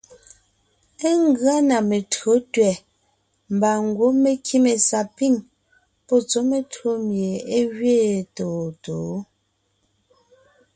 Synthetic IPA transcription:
e˦ŋ˦ɡɰa˦na˨me˨tɰo˨˦tɥɛ˨ | m̩˨ba˨ŋ˨ɡwo˨˦me˨kʰi˦me˨sa˨pi˦˨ŋ | pɔ˦˨t͡so˦me˨tɰo˦mje˨e˦ɣɥeː˦˨to˨to˨˦

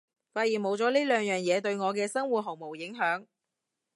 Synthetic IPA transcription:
faː˧t̚jiː˨˩nmo˨˧wt͡sɔː˨˥liː˥lœː˨˧ŋjœː˨ŋjɛː˨˧t̪ɵ˧ɥŋɔː˨˧kɛː˧sɐ˥ŋwuː˨˩t̚ɦɔː˨˩ŋ̚mo˨˩wjɪ˨˥ŋɦœː˨˥ŋ

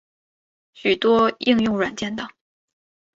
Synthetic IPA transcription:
ɕy˨˩t̪wɔ˥i˥˧ŋjʊ˥˩ŋɻwa˨˩nt͡ɕjɛ˥˩nd̪ə˩

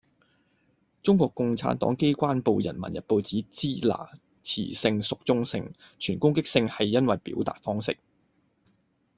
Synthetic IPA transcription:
t͡sʊ˥ŋkʷɔː˧kːʊ˨ŋt͡sʰa̰ː˨˥nt̪ɔ̰ː˨˥ŋke˥jkʷaː˥npo˨˧wjɐ̰˨˩nmɐ̰˨˩njɐ˨t̚po˨wt͡siː˨˥t͡siː˥la̰ː˨˩ | t͡sʰḭː˨˩sɪ˧ŋsʊ˨k̚t͡sʊ˥ŋsɪ̰˧ŋ | t͡ʃʰyː˨˩nkʊ˥ŋkɪ˥k̚sɪ˧ŋhɐ˨jːɐ˥nwɐ˨jpḭː˨˥wt̪a̰ː˨t̚fɔː˥ŋsɪ̰˥k̚

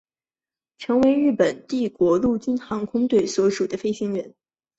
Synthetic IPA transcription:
ʈ͡ʂʰɤ˧˥ŋwe˧˥ɪɻɻ̩˥˩pə˨˩nt̪i˥˩kwɔ˧˥lu˥˩t͡ɕy˥nxɑ˧˥ŋkʰʊ˥ŋt̪we˥˩ɪswɔ˧˥ʂu˨˩d̪ə˦fe˥ɪɕi˧˥ŋɻə˧˥n

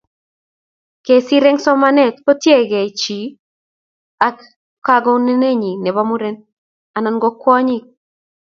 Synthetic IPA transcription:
ke˨si˦ɾɛ˦ŋsɔ˦ma˦nɛ˦tpo˦tje˦ɡɛ˨t͡ʃi˨ | a˦k | ka˦ɡɔ˦ne˦ne˦ɲi˨nɛ˨βa˦mu˦ɾɛ˦n | a˨na˨nɡɔ˦kwɔ˦ɲɪ˦k̚

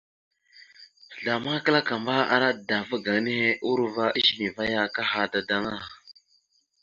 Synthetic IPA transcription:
ɮa˨ma˦kə˦la˦ka˨mba˦a̰˦ɾa˦˨da˨və˦ɡa˨ŋ˦ne˦he˦ʔu˦ɾu˦va˦ʔi˦ʃi˦mi˨va˦ja˦ka˦ha˨da˨da˦ŋa˦˨

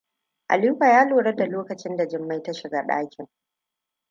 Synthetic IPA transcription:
ʔa̰˨li˦ɸʷaː˨jaː˦loː˨ɽɐ˦da˨loː˦kɐ˨t͡ʃɪ˦nda˨d͡ʒɪ˨mːa˦jta˦ʃɪ˨ɡa˦ɗa̰ː˦kʲɪ˨ŋ

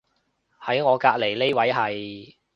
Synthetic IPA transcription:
hɐ˨˥jŋɔː˨˧kaː˧k̚le˨˩jle˥jwɐ˨˥jɦɐ˨j

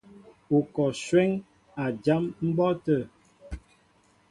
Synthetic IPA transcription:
o˨kɔ˨ʃwɛ˦ŋ | a˨d͡ʒa˨˦mm̩˦bɔ˦tə˦˨

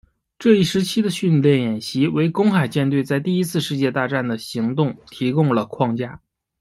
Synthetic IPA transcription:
ʈ͡ʂɤ˥˧i˥˩ʂɻ̩˧˥t͡ɕʰi˥d̪ə˨ɕy˥˧nljɛ˥˩njɛ˨˩nɕi˧˥we˧˥ɪkʊ˥ŋxa˨˩ɪt͡ɕjɛ˥˧nt̪we˥˧ɪt͡sa˥˧ɪt̪i˥˩i˥t͡sʰɹ̩˥˧ʂɻ̩˥˧t͡ɕjɛ˥˧t̪a˥˧ʈ͡ʂa˥˩nd̪ə˩ɕi˧˥ŋt̪ʊ˥˩ŋt̪ʰi˧˥kʊ˥˧ŋlə˩kʰwɑ˥˧ŋt͡ɕja˥˩

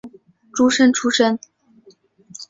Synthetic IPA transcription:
ʈ͡ʂu˥ʂə˥nʈ͡ʂʰu˥ʂə˥n

